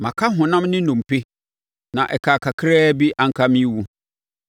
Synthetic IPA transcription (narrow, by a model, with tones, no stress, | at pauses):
mã˨kʰa˦ɦʊ̃˨nã˦mnɪ̃˦nũ˨m˨pe˦ | nã˨ʔɛ˨kʰa˨kʰa˨kʰɾɛː˦bi˦ʔa˨ŋ̩˦kʰa˦mĩ˦wu˦